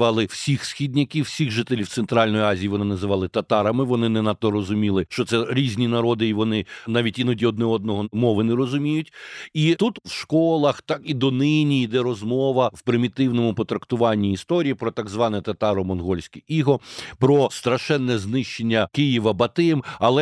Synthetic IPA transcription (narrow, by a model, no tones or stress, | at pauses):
ʋɑlˠɪwsʲixsxʲid̪ʲnʲɐkʲiwsʲixʒɪt̪elʲiw̪sɛnt̪ɾɑlʲnɔjʊɑzʲijiʋɔnɪnɐzɪʋɑlˠɪt̪ɐt̪ɑɾɐmɪʋɔnɪnɛnɑt̪ːɔɾɔzʊmʲilˠɪʃt͡ʃɔt̪sɛɾʲizʲnʲinɐɾɔd̪ɪiʋɔnɪnɑʋʲitʲinɔdʲiɔd̪̚nɛɔd̪nɔɦɔmɔʋɪnɛɾɔzʊmʲijʊtʲit̪ut̪wʃkɔlˠɐxt̪ɑkid̪ɔnɪnʲiid̪ɛɾɔzmɔʋɐwpɾɪmʲit̪ɪwnɔmʊpɔt̪ɾɐkt̪ʊʋɑnʲːiːst̪ɔɾʲijipɾɔt̪ɑɡzʋɑnɛt̪ɐt̪ɑɾɔmɔnɦɔlʲsʲkɪiɦɔpɾɔst̪ɾɐʃɛnːɛznɪʃt͡ʃenʲːɐkɪjiʋɐbɐt̪ɪmɐlˠɛ